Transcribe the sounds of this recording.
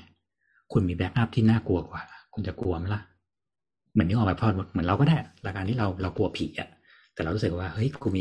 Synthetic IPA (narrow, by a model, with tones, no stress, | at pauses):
kʰu˧nmiː˧bɛ˦˥k̚la˦˥˩p̚t̪ʰiː˥˩naː˥˩ku˧ɐkwaː˨˩la˦˥kʰu˧nt͡ɕa˨˩ku˧ɐma˦˥˩la˧˥ʔ | mɨ˨˩˦ni˧˥ʔɔː˧˩pa˧˩pʰɔː˥˩tmu˧˩mɯ˩˦nɾa˧kɔ˥˩daː˥˩ɾaː˧jkaː˧nt̪ʰiː˥˩ɾa˧wɾa˧wku˧ɐpʰi˨˩ʔa̰˨˩ | t̪ɛː˨˩ɾa˧ɾu˦˥sɯ˨˩k̚waː˥˩hɤ˦˥jkʰuː˧miː˧